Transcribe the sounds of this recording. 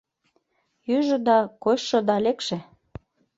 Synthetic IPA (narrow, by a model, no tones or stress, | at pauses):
jyʒə̆d̪ɑkojɤ̆d̪ɑlekʃĕ